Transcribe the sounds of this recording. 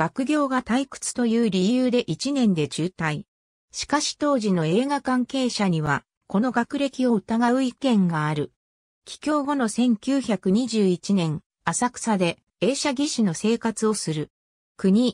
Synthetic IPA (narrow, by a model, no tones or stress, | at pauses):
ɡ̥akɯ̟ɡʲo̞ːɡat̪aikɯ̟̥t͡sɨ̥t̪o̞jɯ̟ːɾʲijɯːd̪e̞ʔit͡ɕinẽ̞nd̪e̞d͡ʑɨːt̪ai | ɕi̥kaɕi̥t̪o̞ːʑino̞e̞ːɡakãŋke̞ːɕaɲ̟iβa | ko̞no̞ɡakɯ̟ɾe̞kʲio̞ɯ̟t̪aɡaɯ̟ikẽ̞ŋɡaːɾɯ̟ | kʲi̥kʲo̞ːɡo̞no̞sẽ̞ŋkʲɨːçakɯ̟ɲ̟iʑɨːit͡ɕinẽ̞ŋ | asakɯ̥sad̪e̞ | e̞ːɕaɡʲiɕino̞se̞ːkat͡sɨo̞sɨɾɯ̟ | kɯ̟ɲ̟i